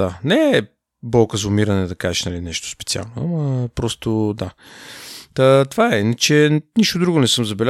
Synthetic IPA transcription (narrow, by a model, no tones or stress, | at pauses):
anɛ | bɔlˠkəzʊmiɾɐnɛd̪ɐkaʒɛʃnɐlinɛʃt̪o̥spɛ̥t̪sia̰lˠnoɐ̰məpɾɔst̪od̪a | ət̪vaɛinət͡ʃɛniʃt̪od̪ɾuɡonɛsɤmzɐbɛlʲa